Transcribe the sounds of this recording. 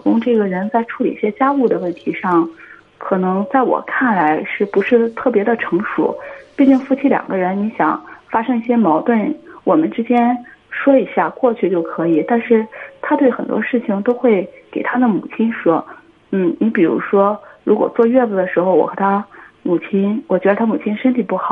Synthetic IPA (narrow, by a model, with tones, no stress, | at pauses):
kʊ˥ŋʈ͡ʂɤ˥˩ɡə˩ɻə˧˥nt͡sa˥˧ɪʈ͡ʂʰu˥lḭ˨˩i˥˩ɕjɛ˥t͡ɕja˥u˥˩d̪ə˩wə˥˩nt̪ʰi˧˥ʂɑ˥˩ŋ | kʰɤ˨˩nɤ˧˥ŋt͡sa˥˩ɪwɔ̰˨˩kʰa˥˩nla˧˥ɪʂɻ̩˥˩pu˧˥ʂɻ̩˥˧t̪ʰɤ˥˩pjɛ˧˥d̪ə˧ʈ͡ʂʰɤ˧˥ŋʂṵ˨˩˦pi˥˧t͡ɕi˥˧ŋfu˥˩t͡ɕʰi˥ljɑ̰˨˩ŋɡə˦ɻə˧˥nni˧˥ɕjɑ̰˨˩˦ŋfa˥ʂɤ˥ŋi˥˩ɕjɛ˥mɑ˧˥ʊt̪wə˥˩nwɔ˨˩mə˦nʈ͡ʂɻ̩˥t͡ɕjɛ˥nʂwɔ˥i˧˥ɕja˥˩kwɔ˥˧t͡ɕʰy˥˧t͡ɕjo˥˩ʊkʰɤ˧˥i˨˩t̪a˥˧nʂɻ̩˥˩t̪ʰa˥t̪we˥˩ɪxə˨˩nt̪wɔ̰˥ʂɻ̩˥˩t͡ɕʰi˩ŋt̪o˥ʊxwe˥˩ɪke˨˩ɪt̪ʰa˥d̪ə˨mṵ˨˩t͡ɕʰi˥nʂwɔ˥ | n̩˥˩ni˧˥pi˨˩ɻṵ˧˥ʂwɔ˥ɻu˧˥kwɔ̰˨˩t͡swɔ˥˧ɥɛ˥˩t͡su˥˩d̪ə˩ʂɻ̩˧˥xo˧ʊwɔ̰˨˩xt̪ʰa˥mu˨˩t͡ɕʰi˥nwɔ˨˩t͡ɕɥɛ˧˥ə˧t̪ʰa˥mu˨˩t͡ɕʰi˥nʂə˥nt̪ʰi˨˩pu˥˩xɑ˨˩˦